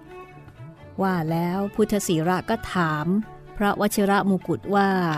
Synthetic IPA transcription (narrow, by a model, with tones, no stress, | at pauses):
waː˥˩lɛː˦˥wpʰu˦˥˩t̪ʰːa˧siː˩˦ɾa˦˥ʔkɔː˥˩t̪ʰaː˩˦m | pʰɾa˦˥wʔa˦˥t̪̚t͡ɕʰa˧ɾa˦˥ʔmu˧ku˨˩t̪̚waː˥˩